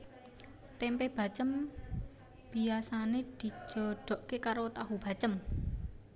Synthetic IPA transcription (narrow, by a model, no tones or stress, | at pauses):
t̪ɛmpeb̥a̤t͡ʃəm | b̥i̤asaned̪̥i̤̥d͡ʒ̥ɔ̤ɖ̥ɔ̤ʔkekaɾot̪aɦub̥a̤t͡ʃəm